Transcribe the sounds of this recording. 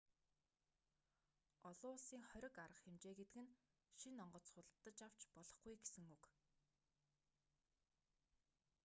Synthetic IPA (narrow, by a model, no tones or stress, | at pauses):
ɔɮʊːsiːŋχœɾʲɪ̆kaɾə̆χxemt͡ɕeːɡet̪ɘ̆kɘ̆n | ʃinɔɴɢɞ̆t͡sχʊt̪ɮt̪ːə̆t͡ɕaw̥t͡ɕpɔɮɞ̆χɡujɡesɘ̆ŋuk